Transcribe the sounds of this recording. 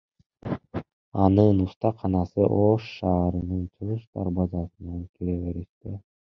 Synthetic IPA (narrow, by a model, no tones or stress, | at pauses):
ɑnɯnust̪ɑqʰɑnɑsɯʔoʃːɑːɾɯnɯnt̪ʰɯʁɯʃt̪ɑ̰ɾbɑzɑsɯnɑnkʲʰiɾeβeɾiʃt̪e